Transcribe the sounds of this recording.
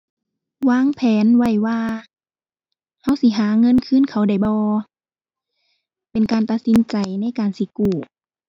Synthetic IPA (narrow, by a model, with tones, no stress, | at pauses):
waː˧˥˨ŋpʰɛː˨˦nwa˧˥˩jwaː˧ | ha˧˥˨wsi˧˦ɦaː˨˦ŋɤ˧˥˨nkʰɯː˧˥˨nkʰa˨˧˩wda˧˩jbɔː˧˦ | pe˨nkaː˨nt̪a˧t̪̚si˧˦nt͡ɕa˨jna˧˥˨jkaː˨nsi˧˦kuː˧˩